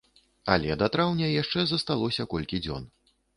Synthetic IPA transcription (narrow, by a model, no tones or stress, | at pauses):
ɐlʲɛd̪ɐt̪ɾawnʲɐjaʂt͡ʂɛzɐst̪alˠɔsʲɐkɔlʲkʲid͡zʲɔ̰n